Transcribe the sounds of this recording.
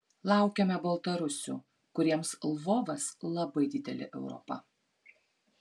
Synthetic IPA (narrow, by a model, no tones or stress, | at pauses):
lˠɑˑʊkʲɛmʲɛbɐlˠt̪ɐɾʊsʲʊ̰ˑ | kʊɾʲiɛmslˠʋoːʋɐslˠɐbɐɪd̪ʲɪd̪ʲɛ̰lʲɪ̰ʔɛʊɾɔ̰pɐ̰